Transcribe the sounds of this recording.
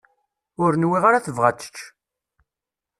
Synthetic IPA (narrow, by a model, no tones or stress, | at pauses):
ʊɾnwiʁaɾaθəvʁat͡sːə̥t͡ʃː